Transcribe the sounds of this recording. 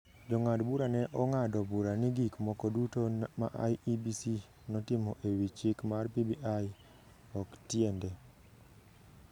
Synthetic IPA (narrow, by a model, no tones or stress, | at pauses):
d͡ʒɔŋadbuɾanɛʔɔŋadɔbuɾanɪɡikmɔkɔdutoma̰ʔa̰jibisi | nɔtɪmɔʔewit͡ʃɪkmarpibiʔaj | ɔktjɛndɛ